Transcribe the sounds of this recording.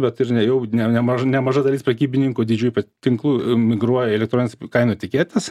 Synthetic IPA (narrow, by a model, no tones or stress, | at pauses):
bʲɛt̪ɪrnʲɛjɛʊnʲɛnʲɛmɐʒɐnʲɛmɐʒɐd̪ɐlʲiːspɾʲɐkʲiːbʲɪnʲɪŋkʊːd̪ʲɪd͡ʒʲuːjpɐt̪ʲɪŋklˠuːmʲɪɡɾuɔjɛɛlʲɛk̚t̪ɾoːnnʲɛskɐɪnoːt̪ʲɪkʲeːt̪ʲɛs